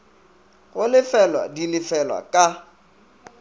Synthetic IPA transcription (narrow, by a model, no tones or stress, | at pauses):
ɣʊlɪfɛlwa̰dilɪfɛlwa̰kʼa